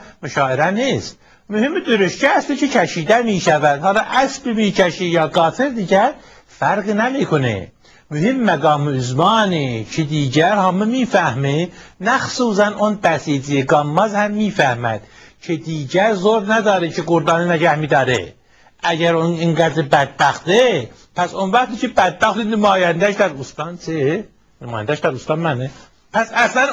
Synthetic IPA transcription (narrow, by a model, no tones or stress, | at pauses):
muʃɑːiɾænis | myhimid̪yɾyʃcææslicʰicʰæʃiːd̪æmiːʃævæd̪̥hɑlɑʔæsbimicʰæʃijɑɡɑːt̪ʰiɾd̪iɟæɾ | fæɾɡnæmikʰunḭ | myhimːæɡɑːmiyzmɑːnicʰid̪iːɟæɾhɑmɯmiːfæhminæxsuːs̬ænonb̪æsid͡ʒijeɡɑmːɑzhæmːiːfæhmæ̰d̪̥cʰed̪iːɟæɾzoɾnæd̪ɑːɾecʰeɡoɾd̪ɑːninæɟæhmid̪ɑːɾḛ | æɟæɾoniŋɡæd̪ɾibæd̪̚bæxt̪e | pʰæsonvæxt̪icʰebæd̪̚bɑxt̪inɪmɑːjænd̪æʃd̪æɾust̪ɑnt͡sʰi | nɪmɑːjænd̪æʃd̪æɾust̪ɑnmæne | pʰæsæslæn